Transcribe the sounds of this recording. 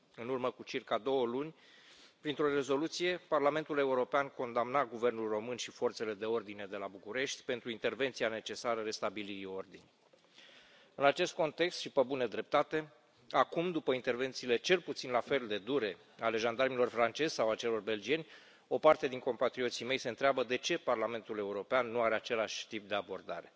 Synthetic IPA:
ɨnurməkut͡ʃirkad̪o̞wəlunʲ | pɾint̪ɾo̞re̞zo̞lut̪sije̞parlame̞nt̪ule̞uɾo̞peanko̞nd̪amnaɡuve̞rnulro̞mɨnʃifo̞rt̪se̞le̞d̪e̞o̞rd̪ine̞d̪e̞labukuɾe̞ʃt̪ʲpe̞nt̪ɾuint̪e̞rve̞nt̪siane̞t͡ʃe̞saɾəɾe̞st̪abiliɾio̞rd̪inʲ | ɨnat͡ʃe̞st̪̚ko̞nt̪e̞kst̪ʃipəbuned̪ɾe̞p̚t̪at̪e̞ | akumd̪upəint̪e̞rve̞nt̪siːle̞t͡ʃe̞lput̪sinlafe̞ld̪e̞d̪uɾe̞ | ale̞ʒand̪armilo̞rfɾant͡ʃe̞zʲsawat͡ʃe̞lo̞rbe̞ld͡ʒie̞nʲ | o̞part̪e̞d̪iŋko̞mpat̪ɾio̞t̪sime̞jse̞ɨnt̪ɾeabəd̪e̞t͡ʃe̞parlame̞nt̪ule̞uɾo̞peanːuaɾe̞at͡ʃe̞laʃʲt̪ip̚d̪e̞abo̞rd̪a̰ɾe̞

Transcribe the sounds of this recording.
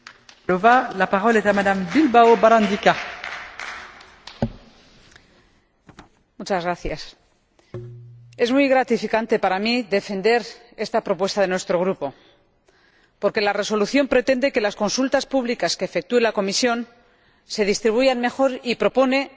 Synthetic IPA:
lovalapaʁolet̪amad̪ambilbawobaɾãnd̪ika | mut͡ʃazɣɾaθjas | e̞zmujɣɾat̪ifikant̪e̞paɾamiðe̞fe̞nd̪e̞ɾ | e̞st̪apɾo̞pwe̞st̪aðe̞nwe̞st̪ɾo̞ɣ̞ɾupo̞ | po̞ɾke̞lare̞so̞luθjo̞mpɾe̞t̪e̞nd̪e̞ke̞lasko̞nsult̪aspuβlikaskeːfe̞k̚t̪ue̞lako̞misjo̞n | se̞ð̞ist̪ɾiβ̞ujanme̞xo̞ɾipɾo̞po̞ne̞

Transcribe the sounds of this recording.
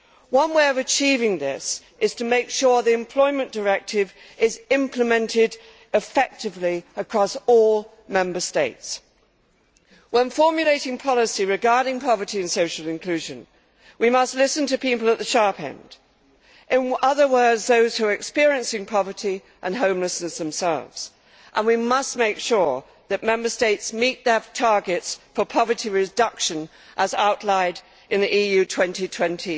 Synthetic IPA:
wʌ̃nweɪʌvɨt͡ʃʰivɪ̃ŋðɪs | ʔɨz̥tʰəmeɪkʃɔɹðiɨ̃mpʰl̥ɔɪmɨ̃nd̥ə˞ɛk̚tʰɪv | ɪzɪ̃mpʰləmɛ̃ntʰɪɾ | ɨfɛk̚tɨvliəkʰɹ̥ɒsɔlˠ | mɛ̃mbə˞steɪts | wə̃nfɔɹmjɨleɪɾɪ̃ŋpʰɑlˠəsiɹɨɡɑɹɾɪ̃ŋpʰɑvə˞ɾiɨ̃nsoʊʃl̩ˠɨ̃nkʰl̥ʉʒɨ̃n | wimʌstˡlɪsɨ̃n̩tɨpipl̩ˠət̪̚ðɨʃɑɹpɛ̰̃nd̥ | ʔɨ̃nʌðə˞wɜ˞dzðoʊz̥hʉəɨkspɪɹiɨ̃nsɪ̃ŋpʰɑvə˞ɾi | ʔə̃nɦõʊ̃mləsnɨsðə̃msɛ̰lˠvz̥ | ʔə̃nwimʌst̚meɪkʃʊɹ | ðɨt̚mɛ̃mbə˞steɪtsmit̪̚ðə˞tʰɑɹɡɨtsfə˞pʰɑvə˞ɾiɹɨdʌkʃɨ̃n | ʔəzaʊʔˡlaɪɾ | ʔɨ̃nðiʔijʉtʰw̥ɛ̃ntitʰw̥ɛ̃ntʰi

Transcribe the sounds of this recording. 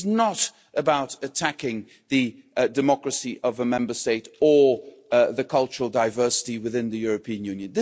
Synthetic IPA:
znəɾ | əbaʊɾɨtʰækɪ̃ŋ | ðɨdɨmɑkɹɨsiʔʌvəmɛ̃mbə˞steɪɾə˞ | ðɨkʰʌlˠt͡ʃəɹl̩ˠdaɪvɜ˞sə̥tiwɨðɪ̃nðɨjʊɹɨpʰĩɨ̃njʉ̃njɨ̃nðɪ

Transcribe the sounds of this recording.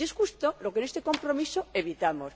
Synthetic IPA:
esxust̪olokenet̪eko̞mpɾomisoeβit̪amos

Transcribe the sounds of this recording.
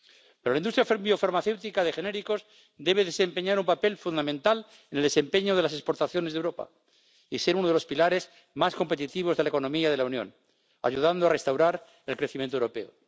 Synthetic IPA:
pe̞ɾolaind̪ust̪ɾjafiofaɾmaθe̞wt̪ikaðexene̞ɾiko̞z | d̪e̞β̞e̞ðe̞se̞mpe̞ɲaɾumpape̞lfund̪amẽnt̪al | eneld̪ese̞mpe̞ɲoðe̞las̬espo̞ɾt̪aθjo̞nezðewɾo̞pa̰ | ise̞ɾunoð̞eospilaɾe̞z | masko̞mpe̞t̪it̪iβ̞o̞zðelaeko̞nomiað̞e̞launjõ̞̰n | a̰ʝuðand̪oare̞st̪awɾaɾ | elkɾeθimjent̪oewɾo̞pe̞o

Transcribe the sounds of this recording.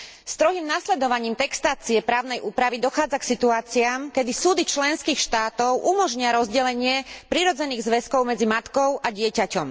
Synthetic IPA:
st̪ɾɔɦiːmnaslɛd̪ɔʋaɲiːmt̪ɛkst̪aːt͡siɛpɾaːʊnɛjʔuːpɾaʋid̪ɔxaːd͡zaksit̪uaːt͡siaːmkɛd̪isuːd̪it͡ʃlɛnskiːxʃt̪aːt̪ɔʊʔumɔʒɲɪaɾɔzɟɛlɛɲɪɛpɾiɾɔd͡zɛniːɣzʋɛskɔʊmɛd͡zimat̪kɔʊʔaɟɪɛcacɔm

